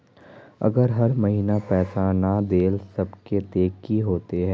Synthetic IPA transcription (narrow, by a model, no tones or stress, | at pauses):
ɐ̰ɡəɾɦɐɾmɐɦiːnapɛːsanad̪eːlsɐbket̪eːkːiɦoːt̪eɦɛ̃ː